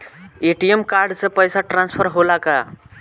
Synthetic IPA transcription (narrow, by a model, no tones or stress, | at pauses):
eʈiemkaɾɖsẽpəjsaʈɾãnspʰəɾɦolaka̰